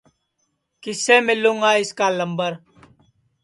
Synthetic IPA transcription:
kɪseːmɪlːũŋɡaːɪskaːləmbəɾ

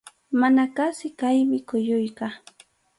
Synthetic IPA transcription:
manakasɪkajmɪkʊjʊjka

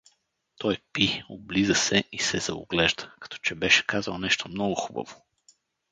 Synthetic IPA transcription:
t̪ɔjpioblizəsɛʔisɛz̥ɐo̰ɡlɛʒd̪ə̥kɐ̥t̪ɔ̥t͡ʃɛbɛʃɛ̥kazəlˠnɛʃt̪omnɔɡʊxubɐ̰vo

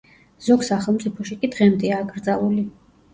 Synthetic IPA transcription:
z̥ɔɡsaχɛlˠmt̪ʼipʰɔʃikʼid̪ʁɛmd̪ɛaːɡɾd̪zalˠuli

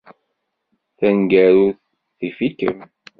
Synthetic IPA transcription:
θænɡæɾuθ | θifikə̰m

